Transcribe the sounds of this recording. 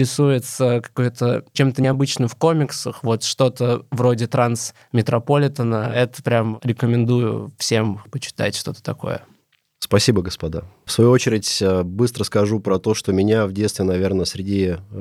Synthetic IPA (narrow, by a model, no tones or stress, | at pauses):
ɾʲɪsujɪt̪səkɐ̥kojt̪ʰət͡ɕe̞mt̪əɪɐbɨt͡ɕnɨmfko̞mʲɪksəxvo̞t̪ʂt̪o̞t̪əvɾo̞dʲɪt̪ɾans | mʲɪt̪ɾɐpolʲɪt̪ənəɛt̪ə̥pɾʲamɾʲɪkəmʲɪnd̪ujʊ̰fsʲe̞mpət͡ɕɪ̥t̪a̰tʲʂt̪o̞̰t̪ə̥t̪ɐko̞̰jə̰ | spɐsʲibəɡəspɐd̪afsvɐjuot͡ɕɪɾʲɪtʲəbɨst̪ɾəskɐʐupɾɐt̪o̞ʂt̪omʲɪnʲavdʲet̪st̪vʲɪnɐvʲe̞rnəsʲɾʲɪdʲi